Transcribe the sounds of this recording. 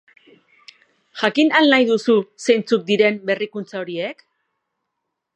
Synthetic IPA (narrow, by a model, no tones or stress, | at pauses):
ʝakinalnajðususe̞jnt͡suk̚d̪iɾe̞mbe̞rikunt͡sao̞ɾie̞k